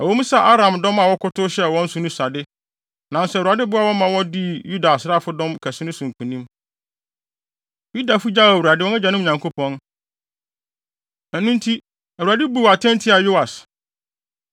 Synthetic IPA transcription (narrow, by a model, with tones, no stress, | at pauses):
æ˨wɔ˦mũ˦sa˦˨ʔa˦ɾã˨mdɔ̃˦mã˨wɔ˦kʰʊ˦tʊ˦ɕɛ˦˨wɔ̃˦n̩˦sʊ˨nʊ̃˦sa˨dɪ˦ | nã˨n˦sɛ˦˨wu˨a˨dɪ˦bʊ˦a˨wɔ˦mã˨wɔ˦di˦ju˦da˨sɾa˦˨fʊ˦dɔ̃˦mkʰæ˨sɪ˦nʊ̃˦sʊ̃˨ŋ̩˨kʰũ˨nĩ˦m | ji˦da˨fʊ˦d͡ʑa˦˨wu˨ɾa˨dɪ˦wɔ̃˦nɛ˦d͡ʑa˨nʊ̃˦˨ɲã˨ŋkʰo˦pʰɔ̃˦n | æ̃˨nũ˦ntʰi˦ | æ˨wu˨a˨dɪ˦bu˦wa˨tʰɛ̃˦ntʰɪ˦a˨jo˦a˨s